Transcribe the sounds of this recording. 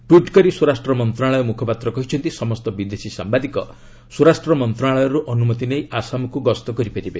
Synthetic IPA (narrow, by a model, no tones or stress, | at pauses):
ʈuʈkɔɾisuɾasʈɾɔmɔnt̪ɾaɭɔjɔmukʰɔpat̪ɾɔkɔɦit͡ʃʰɔnt̪isɔmɔst̪ɔbid̪esisa̰mbad̪ikɔ | suɾasʈɾɔmɔnt̪ɾaɭɔjɔɾuʔɔnumɔt̪inejasamɔkuɡɔst̪ɔkɔɾipaɾibe